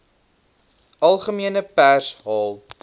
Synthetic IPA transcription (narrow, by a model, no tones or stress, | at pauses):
ɐlˠχəmiənəpærsɦɑːlˠ